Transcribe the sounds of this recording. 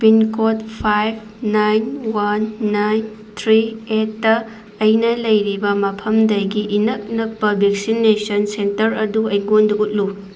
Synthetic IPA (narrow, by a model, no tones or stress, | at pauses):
pinkot̚pʰajb̚ | najnwanːajn | t̪ʰɾietːɐː | jnɐlɐjɾibɐmɐpʰɐmdɐjɡiʔinɐk̚nɐk̚pɐbʱek̚sinːesɐnsentɐɾɐduɐjɡondɐʔut̚lu